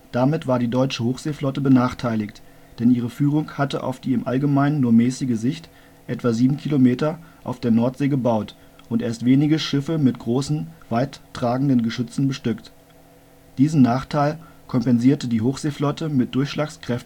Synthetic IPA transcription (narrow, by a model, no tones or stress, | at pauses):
d̥amɪtv̥aːɐdiːdɔʏt͡ʃəhoːxz̥eːflɔtəbənaːχtʰaɪlɪçt | d̥ɛnʔiːʁ̞əfyːʁ̞ʊŋhatəʔa̰ʊfd̥iːɪmʔalɡəmaɪnənːuːɐmɛːsɪɡəzɪçt | ʔɛtv̥aziːbm̩kʰilomeːtɐʔaʊfd̥eːɐnɔɐtz̥eːɡəbaʊt | ʔʊntʔḛːɐstv̥eːnɪɡəʃɪfəmɪtɡ̥ʁoːsn̩v̥aɪtːʁ̥aːɡŋ̩dənɡəʃʏt͡sn̩bəʃtʏkt | d̥iːzn̩naːχtʰaɪl | kʰɔmpɛnziːɐtədiːɦoːxz̥eːflɔtʰəmɪt̚d̥ʊɐçʃlaːkskʁ̥ɛftn̩